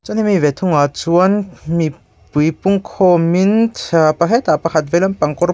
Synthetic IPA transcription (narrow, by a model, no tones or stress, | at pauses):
t͡sɔnimivɛt̪ʰuŋat͡suənmi | pujpuŋkʰɔmint̪ʰpakʰɛt̪apakʰat̪̚vɛlampaŋkɔr